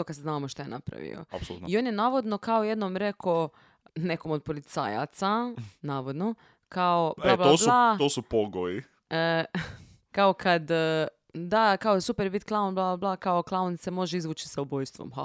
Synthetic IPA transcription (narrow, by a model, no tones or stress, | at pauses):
okad̪seznaːʋmoʃt̪ajena̰pɾa̰ʋḭo̰a̰psolṵio̞ːnjenaːʋo̞d̪no̞kaoje̞d̪nomɾe̞ko̞ | ne̞ko̞mod̪̚polit̪sa̰ːja̰t̪sanaːʋod̪no̞ | kaoblablaosblat̪osupoɡoji | ə | kaokʰad̪ | d̪akaosupeɾbit̪klˠaonblˠablablˠakaoklˠaonsemo̞ʒeizʋuːt͡ʃi̥saubo̞jst̪ʋo̰mɦa